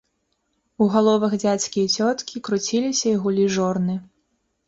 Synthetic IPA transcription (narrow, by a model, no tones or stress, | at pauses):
uɣalˠɔvɐɣd͡zʲat͡sʲkʲijɐt͡sʲɔt̪kʲikɾut͡sʲilʲisʲɐiɣulʲiʐɔrnɨ